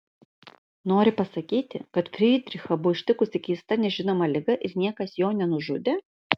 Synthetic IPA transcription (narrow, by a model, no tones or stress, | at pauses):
noːɾʲɪpɐsɐkʲiːt̪ʲɪ̰kɐt̪fʲɾʲiːd̪ʲɾʲɪxɐbʊʋɪʃʲt̪ʲɪkʊsʲɪkʲiːst̪ɐnʲɛʒʲɪnoːmɐlʲɪɡɐʔɪɾnʲiɛkɐsjoːnʲɛnʊʒʊd̪ʲe